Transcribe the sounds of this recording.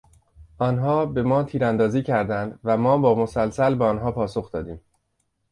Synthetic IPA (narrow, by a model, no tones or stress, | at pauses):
ʔɒːnɦɒːbe̞mɒːt̪ʰiːɾænd̪ɒːziːcʰæɾd̪ænd̪væmɒːbɒːmo̞sælsælbeɒnɦɒːpʰɒːsoxd̪ɒːd̪iːm